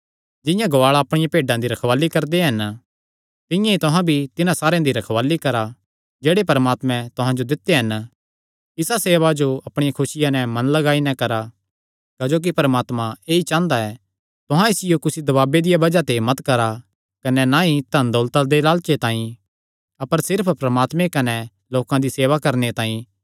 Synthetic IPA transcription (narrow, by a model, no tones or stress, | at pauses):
d͡ʒɪ̃jãɡɐʋaːɭaɐpɽ̃ɪjãpeːɖãd̪iɾɐkʰʋaːlːikɐɾd̪eɦɐn | t̪ɪ̃jãit̪ʊɦãbʱit̪ɪnãsaːɾejãd̪iɾɐkʰʋaːlikɐɾa | d͡ʒeːɽepɐɾəmaːt̪mɛ̃t̪ʊɦãd͡ʒod̪ɪt̪ːeɦɐn | ɪsaseːʋad͡ʒoɐpɽ̃ɪjãkʰʊsɪjãnɛmɐ̃nlɐɡaːinɛ̃kɐɾa | kaːd͡ʒoːk̬ipɐɾmaːt̪mãeːit͡ʃãːnd̪aɛː | t̪ʊɦãɪsɪjokʊsid̪ɐbaːbed̪ɪjabɐd͡ʒat̪emɐt̪kɐɾa | kɐnɛnaɦit̪ɐnd̪oːlt̪ad̪elaːlt͡ʃet̪ãːĩ | ɐpəɾsɪɾpʰpɾɐmaːt̪mẽkɐnɛ | loːkãd̪iseːʋakɐɾnet̪ãːĩ